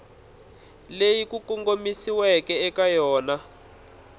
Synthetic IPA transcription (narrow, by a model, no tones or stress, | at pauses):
lejikukɔŋɡomisiwɛkɛɛkajɔːna